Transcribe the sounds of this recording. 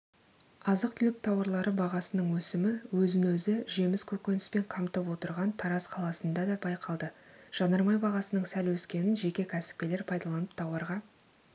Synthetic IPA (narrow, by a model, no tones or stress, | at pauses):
ɑzəq̚t̪ʰʏlɪk̚t̪ʰɑwɑɾlˠɑɾəbɑʁɑsənəɴwɵsɪmɪwɵzɪnwɵzɪʒe̞mɪskʲʰɵkʲe̞nɪspe̞ɴqʰɑmt̪əpwo̞t̪əɾʁɑnt̪ʰɑɾɑsqʰɑlˠɑsənd̪ɑd̪ɑbɑjqʰɑlˠd̪əʒ̥ɑnəɾmɑjbɑʁɑsənəɴsælwɵskʲe̞nɪnʒe̞kʲe̞kʲʰæsɪ̥p̚kʲe̞le̞ɾpʰɑjd̪ɑlˠɑnəpt̪ʰɑwɑɾʁɑ